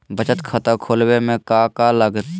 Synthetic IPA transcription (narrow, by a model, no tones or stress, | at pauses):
bət͡ʃət̪kʰət̪əkʰoːlwemẽkakaləɡt̪